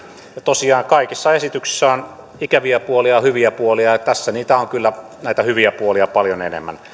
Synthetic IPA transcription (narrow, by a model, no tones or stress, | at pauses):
jɑt̪osiɑːŋkɑikisːɑesit̪yksi̥sːæon | ikæʋiæpuoliɑhyʋiæpuoliɑjɑt̪æsːæniːt̪æoŋkylːæ | næˑit̪æhyʋiæpuoliɑpɑljonḛnḛmːæ̰n